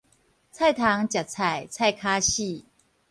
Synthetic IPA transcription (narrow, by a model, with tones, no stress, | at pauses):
t͡sʰa˥˩jt̪ʰa˨˧˦ŋt͡ɕja˨˩t͡sʰa˨˩jt͡sʰa˥˧jkʰa˦ɕi˥˧˨